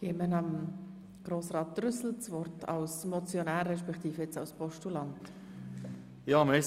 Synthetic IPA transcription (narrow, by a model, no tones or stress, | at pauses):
ɡ̥eːmənɑm | ɡ̥ɾoːsʁɑːt̚ːrʏsl̩t͡svɔrtʰɑ̰ʊsmɔt͡sjɔnæːɾːɛʃpɛktiːfɛt͡sɑʊspʰɔʃtulɑnt | jɑːmɛɪs